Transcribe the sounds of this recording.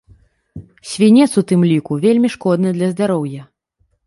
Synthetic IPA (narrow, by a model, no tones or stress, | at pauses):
sʲvʲinʲɛt̪sut̪ɨmlʲikuvʲelʲmʲiʂkɔd̪nɨd̪lʲɐzd̪aɾɔwjɐ